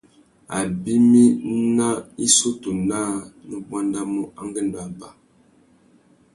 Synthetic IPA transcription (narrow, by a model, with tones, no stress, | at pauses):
a˨bi˦mi˦na˦i˦so˦tu˨naː˦nə˨bwa˦nda˦mo˦ʔa˦ŋɡə˦˨n˨da˨ba˦